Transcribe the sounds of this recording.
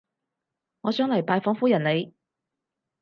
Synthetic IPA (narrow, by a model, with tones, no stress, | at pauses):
ŋɔː˨˧sœː˨˥ŋlɐ˨˩jpaː˧jfɔː˨˥ŋfuː˥jɐ˨˩nle˨˧j